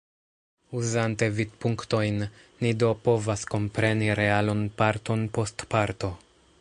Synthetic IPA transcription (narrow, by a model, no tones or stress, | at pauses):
uzante̞vid̚puŋkto̞jnː | ido̞po̞vasko̞mpɾe̞niɾe̞alonpaɾto̞npo̞stpaɾto̞